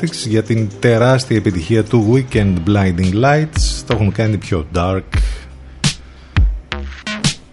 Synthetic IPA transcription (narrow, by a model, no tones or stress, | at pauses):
iksʝɐt̪int̪e̞ɾɐst̪iɐepit̪içiɐt̪uwicend̪blɐjnd̪iŋɡlajt̪st̪o̞xuŋkɐnipço̞d̪ɐɾk